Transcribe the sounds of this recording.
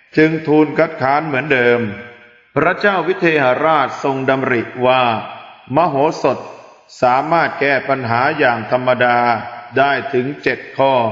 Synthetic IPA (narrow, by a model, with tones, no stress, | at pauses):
t͡ɕɯ˧ŋt̪ʰuː˧nkʰa˦˥t̪̚kʰaː˦˥nmɯ˩˦əndɤː˧m | pʰɾa˦˥t͡ɕaː˥˩wːi˦˥t̪ʰeː˧ha˨˩˦ɾaː˥˩t̪̚so˧ŋda˧mɾi˨˩ʔwaː˥˩ma˦˥˩ɦoː˩˦so˨˩t̪̚ | saː˩˦maː˥˩t̪̚kɛː˥˩pa˧nɦaː˩˦jaː˨˩ŋt̪ʰa˧mːa˧daː˧daː˥˩jt̪ʰɯ˩˦ŋt͡ɕe˨˩t̪̚kʰɔː˥˩